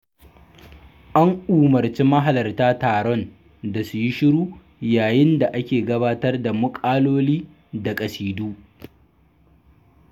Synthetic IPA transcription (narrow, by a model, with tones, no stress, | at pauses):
ʔa˦ŋʔuː˨mɐ˨rt͡ʃi˦mɐ˦ɦa˨lɐ˨rtaː˦taː˨ɽɔ˦n | da˨su˨ji˦ʃɪ˦ɽuː˦ | jaː˨jɪ˦nda˨ʔa˦kʲeː˨ɡɐ˦baː˦tɐ˦rda˨mʊ˦kʼaː˦loː˦liː˦ | da˨kʼɐ˨siː˨duː˦